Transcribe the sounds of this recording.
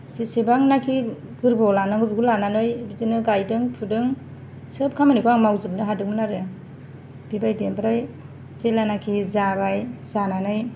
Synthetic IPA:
sisebaŋnakʰi | ɡɯɾbɔlanɯŋɡɯbiɡulananɯjbidɯnɯɡajdɯŋpʰudɯŋ | sɯp̚kʰamanikʰuaŋmawzɯpnɯɦadɯkŋmɯnaɾɯja | b̥ibajdembɾaj | t͡ʃelanakʰizabajzananɯj

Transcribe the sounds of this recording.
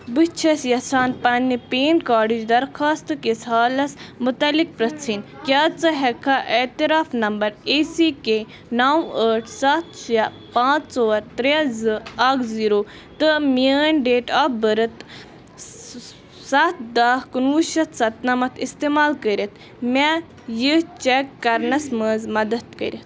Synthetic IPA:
bɨt͡ʃʰɐsjɐsaːnpɐnːipeːnkaːɖid͡ʒd̪ɐɾxʰaːst̪kesaːlɐsmʊt̪ɐlik̚pɾɐt͡sʰin | kʲjaːt͡sɨɦekʰːaʔet̪iɾaːfnɐmbɐɾeːsike | naːwəːʈʰsɐt̪sjɐ | pãːt͡ssoːɐɾt̪ɾezɨaːkziːɾoː | t̪ɨmiəːnɖeːʈaːbəɾɨt̪ | sɐt̪d̪aːhkunuʃɐt̪sɐt̪̚nɐmɐt̪ʰist̪eːmaːlkəɾʲɐt̪ʰ | mʲa | jit͡ʃɛkːɐɾnɐsməːzmɐd̪ɐt̪̚kə̰ɾʲit̪̚

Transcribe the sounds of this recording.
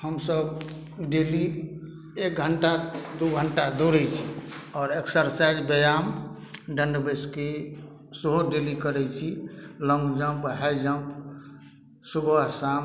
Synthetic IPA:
həmsəb | ɖeli | ek̚ɡʱəɳʈad̪uɡʱəɳʈad̪uɾɛt͡ʃʰiɔːɾeksəɾsaid͡ʒbəjam | ɖənɖbeske | səɦoɖelikəɾɛt͡ʃʰilə̃ŋɡd͡ʒəmpɦɛjd͡ʒəmp | subasam

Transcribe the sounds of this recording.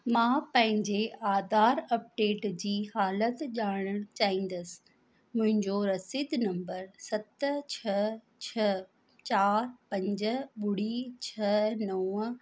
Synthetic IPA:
mãːpɐ̃ɦɪ̃ɲd͡ʑeaːd̪aːɾɐp̚ɖeːʈd͡ʑiːhaːlət̪ʄaːɽ̃əɽ̃t͡ɕaːɦĩːn̆d̪əsɪ̥̆ | mʊ̃ɦɪ̃ɲd͡ʑoɾɐsɪd̪nɐ̃mbəɾsɐt̪t͡ɕʰɐ | t͡ɕʰɐ | t͡ɕaːɾpɐ̃ɲd͡ʑəɓʊɽit͡ɕʰɐnɐwə

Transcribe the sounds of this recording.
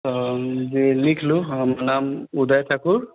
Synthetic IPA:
zilikʰlʊamanamud̪ajtʰakuɹ

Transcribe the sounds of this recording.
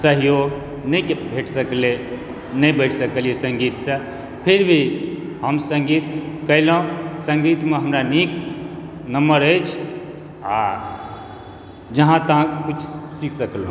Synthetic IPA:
səɦijoɡ | nəjkbʱeʈʰsəkle | nəbəɪʈʰsəkəlijesə̃ŋɡit̪sə̃ | pʰeɾbʱi | ɦəmsə̃ŋɡit̪kəɦlɦũsə̃ŋɡit̪meɦəmɾanik | nəmbəɾəjt͡ʃʰ | a | d͡ʒəɦãt̪əɦãkit͡ʃʰsikʰsəklũ

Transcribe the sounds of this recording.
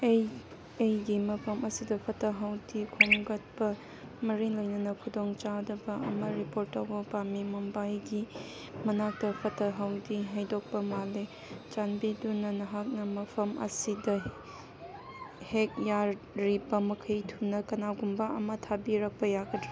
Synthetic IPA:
j | ejɡimɐpʰɐmɐsidɐpʰɐtʰɐɦawdikʰoŋɡɐt̚pɐ | mɐɾiŋlojnɐnɐkʰudoŋt͡ʃadɐbɐɐ̰mɐɾipoɾtːawbɐpamimɐmbajɡi | mɐnak̚tɐpʰɐtʰɐɦawdiɦajdok̚pɐmale | t͡ʃanbidunːɐnɐɦak̚nɐmɐpʰɐmʔɐ̰sidɐ | hek̚ja | ɾibɐmɐkʰɐjtʰunɐkɐnaɡumbɐɐmɐtʰabiɾɐk̚pɐjaɡɐdɾi

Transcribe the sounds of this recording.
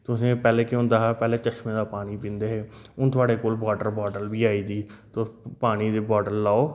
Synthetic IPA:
t̪ʊsẽːpɛːleːkɪʊ̃nd̪aːɦɛːpɛːleːt͡ʃəʃmẽːd̪aːpaːɽ̃iːpĩːnd̪eːɦeːʊnt̪ʊaːɽeːkoːlbaːɖəɾbɔːɖəlbiːaːiːd̪iːt̪opaːɽ̃iːd̪eːbɔːɖəlːaːoː

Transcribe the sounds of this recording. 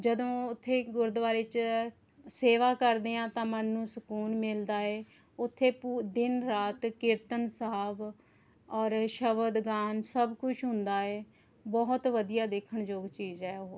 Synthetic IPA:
d͡ʒəd̪õːʊt̪ʰːeːɡʊɾd̪ʋaːɾeːt͡ʃ | seːʋaːkəɾd̪eːãːt̪ãːmənːũːsəkuːnmɪld̪aːɛː | ʊt̪ʰːeːpːd̪ɪnɾaːt̪kɪɾt̪ənsaːb | ɔːɾʃəʋəd̪ɡaːnsəbkʊt͡ʃʰɦʊ̃nd̪aːɛː | bɔːt̪ʋəd̪ijaːd̪eːkʰəɳd͡ʒoːɡt͡ʃiːzɛːooː

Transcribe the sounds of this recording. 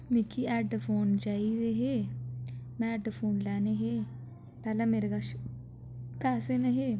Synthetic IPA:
mɪkʰːiːɛːɖpʰoːnd͡ʒaːiɾeːɦeː | mɛ̃ːɛːɖpʰoːnlɛːneɦeː | pɛːlɛ̃ːmeːɾeɡaʃ | pɛːseːneɦeː

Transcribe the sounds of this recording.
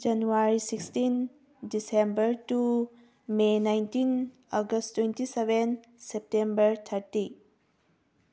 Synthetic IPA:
d͡ʒɐnuwaɾisikstin | disembɐɾtu | menajntʰin | ɔɡɐsttːwentiseben | sep̚tembɐɾt̪ʰɐɾti

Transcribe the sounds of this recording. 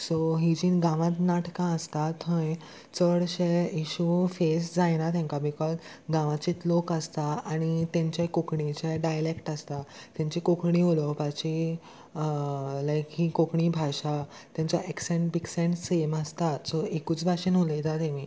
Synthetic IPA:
soɦid͡ʑiːnɡãʋãt̪naʈkãəst̪at̪ɦə̃j | t͡səɽɕeiɕufesd͡zajnat̪ʰɛ̃ŋkabikɔz | ɡãʋãt͡ɕit̪lokəst̪aaɽ̃it̪ãɲt͡ɕekokɳit͡ɕeɖajlekʈast̪at̪jãɲt͡ɕikokɳiɦolɔpat͡ɕi | lajkɦikokɳiːbʱaɕa | t̪jãɲt͡ɕaʔeksẽɳʈ̚biksẽɳʈseməst̪asɔʔekuːt͡sbʱaɕẽnɦolet̪at̪ẽʋiː

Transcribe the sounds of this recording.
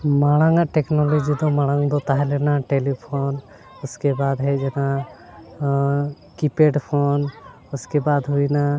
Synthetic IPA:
maɽ̃aŋaʈɛknɔlɔd͡ʒid̪ɔmaɽ̃aŋd̪ɔt̪aɦɛlɛnaʈelipʰon | ʊskebad̪ɦɛd͡ʒɛna | kipeɖpʰon | uskebad̪ɦujna

